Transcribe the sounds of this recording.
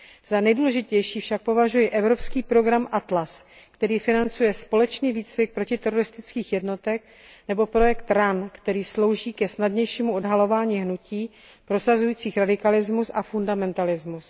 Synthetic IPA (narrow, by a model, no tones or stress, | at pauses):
z̥anɛjduːlɛʒɪcɛjʃiːfʃak̚po̞vaʒujɪʔɛvɾo̞pskiːpɾo̞ɡɾamʔat̪las | kt̪ɛɾiːfɪnant͡sujɛspo̞lɛt͡ʃniːviːt͡svɪk̚pɾocɪt̪ɛɾo̞ɾɪst̪ɪt͡skiːxjɛdno̞t̪ɛk̚ | nɛbo̞pɾo̞jɛkt̪ɾankt̪ɛɾiːslo̞wʒiːkɛsnadɲɛjʃiːmuʔo̞dɦalo̞vaːɲiːɦnuciː | pɾo̞sazujiːt͡siːxɾadɪkalɪzmusʔafundamɛnt̪alɪzmus